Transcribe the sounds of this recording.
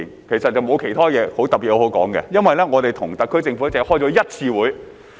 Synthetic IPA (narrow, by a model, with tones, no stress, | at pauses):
nkʰe˨˩jsɐ˨t̚t͡sɐ˨wmo˨˧wkʰe˨˩jt̪ʰɔː˥jɛː˨˧ho˨˥wt̪ɐ˨p̚piː˨˩t̚ho˧˥ho˨˧˥wkɔ̰ː˨˥ŋɡɛ̰˧jɐ˥nwɐ˨jlɛː˥ŋɔː˨˧t̪e˨jt̪ʰʊ˨˩ŋt̪ɐ˨kʰːɵ˥ɥt͡sɪ˧ŋfu˨˥t͡sɛ˨˥hɔː˥˩t͡sɔ˨˧˥jɐ˥t̚t͡sʰiː˧wuː˨˥j